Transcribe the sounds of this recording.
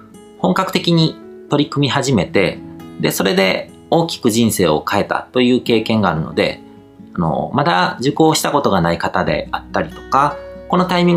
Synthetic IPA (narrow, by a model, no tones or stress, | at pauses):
hõ̞ŋkakɯ̟̥t̪e̞kʲiɲ̟it̪o̞ɾʲikɯ̟mʲiɦaʑime̞t̪e̞d̪e̞̰so̞ɾe̞d̪e̞ | o̞ːkʲi̥kɯ̟ʑĩɰ̃se̞̰ːo̞̰kʰae̞t̪a̰t̪o̞jɯ̟ːke̞ːkẽ̞ŋɡaːɾɯ̟no̞̰d̪e̞̰ | ano̞̰mad̪ad͡ʑɨko̞ːɕi̥t̪ako̞t̪o̞ɡanaikat̪ad̪e̞̰at̪ːaɾʲit̪o̞̥kako̞no̞t̪aimʲĩŋ